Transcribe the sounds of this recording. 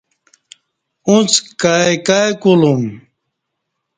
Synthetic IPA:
ũt͡skaekajkulum

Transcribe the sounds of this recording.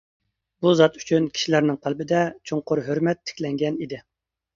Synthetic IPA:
buzɑt̪y̥t͡ʃʰynkʲi̥ʃilæɾnɪŋt̪ʰælbɪd̪ɛt͡ʃʰoŋqʊɾɦøɾmɛt̪ʰːɪ̥kʲlɛŋɡʲɛnid̪ɪ

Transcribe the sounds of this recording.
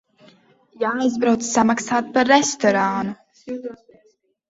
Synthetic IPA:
jaːjzbɾawt̪sːamaksaːt̪̚paːɛst̪ɔɾaːnu

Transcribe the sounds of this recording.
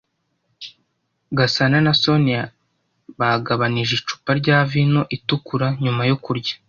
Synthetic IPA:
ɡasananaso̞nia | βaɡaβaniʒit͡ʃu̥paɾɟaːvino̞ʔitukuɾaɲumajo̞kuɾɟḁ

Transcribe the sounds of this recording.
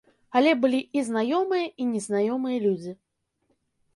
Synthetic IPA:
alʲɛbɨlʲiiznajɔmɨjɐinʲɛznajɔmɨjɐlʲud͡zʲi

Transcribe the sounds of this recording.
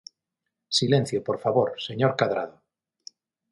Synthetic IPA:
silẽnθjopoɾfaβoɾse̞ɲoɾkaðɾa̰ðo

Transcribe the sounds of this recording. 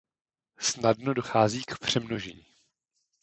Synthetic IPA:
snadnodoxaːziːkpr̝̥ɛmnoʒḭː

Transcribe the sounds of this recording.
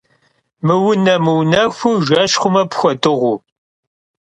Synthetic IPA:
mɨwʊnɐmɨwnɐxʷʊʒʷɐʃχʷʊmɐpxʷɔtʼɨʁʷu

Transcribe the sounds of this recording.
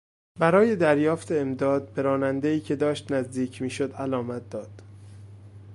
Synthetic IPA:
bæɾɒːje̞d̪æɾjɒːft̪ʰe̞ːmd̪ɒːd̪̚be̞ɾɒːnænd̪eiːcʰe̞d̪ɒːʃt̪næzd̪iːcʰmiːʃod̪ælɒːmæt̪̚d̪̥ɒːd̪̥

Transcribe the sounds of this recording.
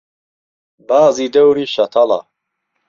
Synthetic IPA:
baːziːd̪ɐwɾiːʃɐt̪ʰɑlɑ̰

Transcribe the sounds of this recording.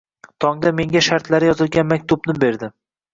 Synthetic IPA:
t̪ʰɒŋd̪ame̞ŋɡʲaʃaɾt̪laɾɪjɒzɪlɡʲanmakʲt̪ʰʊbnɪbe̞ɾd̪ɪ

